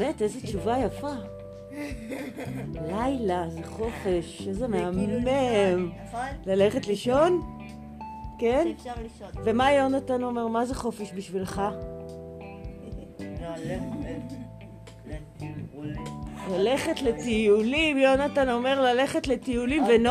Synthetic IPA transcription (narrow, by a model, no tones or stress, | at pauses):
metezet͡ʃuvajafa | lajlazeχo̞fe̞ʃezemeamem | lale̞χe̞tliʃo̞n | ken | ve̞majo̞natano̞me̞ʁmazeχo̞feʃbiʃvilχa | lale̞χetle̞t̪ijulimjo̞natano̞me̞ʁlale̞χe̞tle̞t̪ijulimven